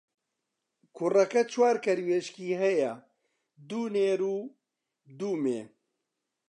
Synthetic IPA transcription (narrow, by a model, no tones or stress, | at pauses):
kʰurɐkɐt͡ʃʰwaːɾkɐɾweːʃkiːɦɛjɐ | d̪uːneːɾuː | d̪uːmḛː